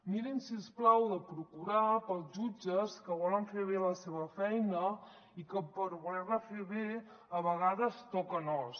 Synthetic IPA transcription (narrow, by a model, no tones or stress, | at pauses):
miɾinsiesplawðəpɾukuɾapəlˠzʒud͡ʒəskəβɔləɱfeβ̞eləseβəfɛjnə | ikəpəɾβulɛrnəfeβe | əβəɣ̞aðəst̪ɔkənɔs